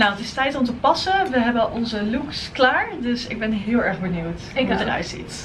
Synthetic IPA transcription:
nawətɪstɛjtɔmtəpɑsəʋəɦɛbəʔɔnzəluksklaːɹdøsɪ̰ɡ̚bɛnɦɪːlˠɛɹχbənywttərœ̰ɥtsḭt

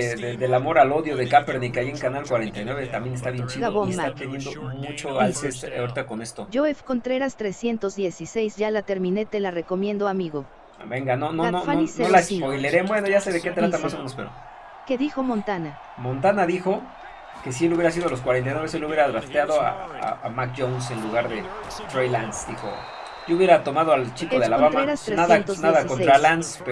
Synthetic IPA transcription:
ðeðe̞lamo̞ɾalo̞ðjo̞ðe̞kapeɾnikeajieŋkanalkwaɾe̞nt̪ajnwe̞βet̪ambje̞nest̪aβje̞nt͡ʃiðooest̪at̪enje̞nd̪o̞mut͡ʃo̞alsest̪awɾit̪ako̞ne̞st̪o̞d͡ʒoefkont̪ɾeɾast̪ɾesje̞nt̪o̞zðje̞sise̞jzʝalat̪e̞ɾmĩne̞t̪e̞lare̞ko̞mjẽ̞nd̪oamiɣo̞ | be̞ŋɡanonononaisnolapojleɾebwe̞no̞ʝaseðeket̪ɾat̪amasomenospe̞ɾo̰ | keðixo̞mõnt̪ana | mõ̞nt̪anaðixo̞ | ke̞s̬ieluβjeɾas̬ið̞olo̞s̬kwaɾent̪ajnweβeselouβje̞ɾaðɾast̪jaðoa̰a̰amak̚ʝonse̞nluɣaɾðe̞t̪ɾejlansd̪ixo̞̰ | ɟ͡ʝouβje̞ɾat̪o̞maðoalt͡ʃikoðealaβamaeɾasnaðat̪onaðakonɾalansp

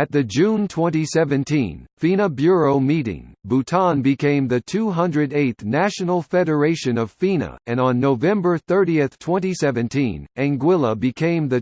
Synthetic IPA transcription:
ɨt̪̚ðɨd͡ʒʉ̃ntʰw̥ɛ̃ntisɛvɨ̃ntʰḭ̃nfĩnəbjʊɹoʊmiɾɪ̰̃ŋbutʰɑ̃nbɨkʰẽɪ̃mðɨtʰuɦʌ̃ndɹɨɾeɪtθnæʃɨnl̩ˠfɛɾə˞eɪʃɨ̃nʌv̥fĩnɨ̰ɨ̃ñn̩ːoʊvɛ̃mbə˞θɜ˞ɾiɨθtʰw̥ɛ̃ñtisɛvɨ̃ntʰḭ̃næ̃ŋɡwɪlˠəbɨkʰẽɪ̃mðɨ

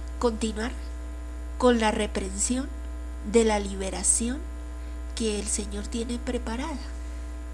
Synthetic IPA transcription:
ko̞nt̪inwaɾ | ko̞nlare̞pɾe̞nsjo̞n | d̪e̞laliβe̞ɾasjo̞ŋ | ke̞ːlse̞ɲo̞ɾt̪je̞ne̞pɾe̞paɾaða

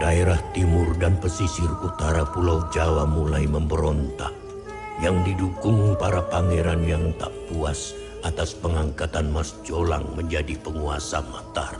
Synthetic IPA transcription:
daeɾaht̪imʊrdanpəsisɪrut̪aɾapulawd͡ʒawamulajməmbəɾɔnt̪a̰k̚ | jaŋdidukʊŋpaɾapaŋiɾanjaŋt̪aʔpuas | ʔat̪aspəŋaŋkat̪anmasd͡ʒola̰ŋməɲd͡ʒadipəŋuasamat̪a̰r

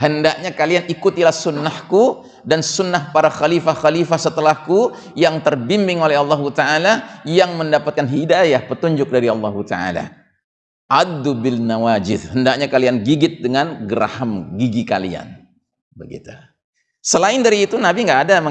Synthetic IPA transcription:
həndaʔɲakalianikut̪ilahsunːahku | dansunːahpaɾaxalifaxalifahsət̪əlahku | jaŋt̪ərbimbɪŋolɛɑlːɑɦut̪aalajaŋməndapat̪̚kanɦidajahpət̪uɲd͡ʒʊk̚daɾiɑlˠːɑɦut̪a̰ʔa̰la̰ | ʔad̪ubɪlnawad͡ʒɪðhəndaʔ̚ɲakalianɡiɡɪt̪̚dəŋanɡəɾa̰həmɡiɡika̰lḭa̰n | bəɡḭt̪u̥ | səlaɪndaɾiːt̪unabiŋɡaʔːdamə

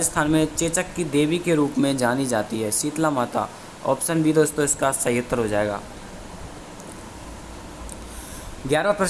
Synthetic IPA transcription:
əst̪ʰaːnmẽt͡ʃeːt͡ʃəkːid̪eːʋikeɾuːpmẽd͡ʒaːnid͡ʒaːt̪iɦɛːsiːt̪lamaːt̪a̰ | ɔ̰ːpʃənbʱid̪oːst̪õɪskasɐɦət̪ːəɾɦod͡ʒaːeːɡa̰ː | ɡjaːɾapɾɐ

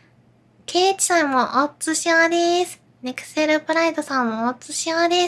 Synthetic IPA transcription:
kʰeːt͡ɕi̥sãmmoʔot͡sɨɕiad̪esɨ̥ | ne̞kɯ̟̥seɾɯ̟pɯɾaid̪o̞sãmːoːtt͡sɨɕiad̪e

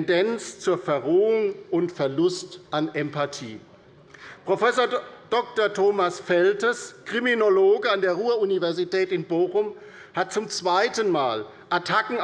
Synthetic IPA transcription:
ndɛnt͡st͡suːɐfɛɐʁoːʊŋʔʊntfɛɐlʊstʔanʔɛmpatʰḭː | pʁ̥ofɛsoɐd̥ɔk̚tɐtʰoːmasfɛltəskʁ̥iminoloːɡəandeːɐʁuːɐunivɛɐzitʰɛːtɪnboːχʊm | hat̚t͡sʊmt͡sv̥aɪtənmaːl | ʔatʰakŋ̩

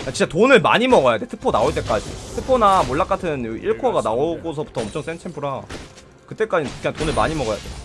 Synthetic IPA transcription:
kat͡ɕint͡ɕ͈atonɯɭma̰ɲimʌɡʌjade̞tʰɯ̥pʰonaoɭt͈e̞k͈ad͡ʑḭtʰɯpʰonamoɭːak͈atʰɯnjoʔiɭkʰaɡanaoɡos̬ʰʌbu̥tʰʌʌmt͡ɕʰʌŋs͈ent͡ɕʰempʰɯɾa | kɯt͈e̞k͈ad͡ʑinʰantonɯɭma̰ɲimʌɡʌja̰de̞

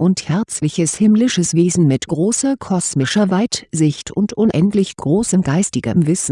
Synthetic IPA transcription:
ʔʊnthɛɐt͡slɪçəshɪmlɪʃəsv̥eːzn̩mɪtɡ̥ʁoːsɐkʰɔsmɪʃɐvaɪtz̥ɪçtʰʊntʔʊnʔɛntlɪçɡ̥ʁoːsəmɡaɪstɪɡɐ̰mvɪsn̩

